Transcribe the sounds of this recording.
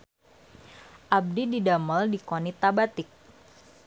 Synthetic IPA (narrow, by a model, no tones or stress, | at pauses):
ʔab̚dididaməldikonit̪abat̪ɪk̚